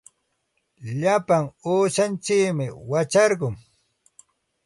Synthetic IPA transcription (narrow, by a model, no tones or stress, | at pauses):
ʎapaŋuːʃant͡ʃɪkmɪwat͡ʃɑɾɢʊŋ